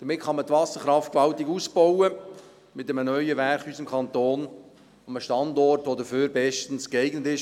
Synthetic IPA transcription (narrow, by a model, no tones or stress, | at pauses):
d̥əmɪtχɑmətvɑsəɾχɾɑftkʋɑltiɡuːsb̥ɔwə | mɪtəmənœʏəʋæɾχhyːsɪmkʰɑnt̪oːn | əməʃtɑndɔrtʋodəføːɾbɛʃtən̩skɛɪɡnətɪʃ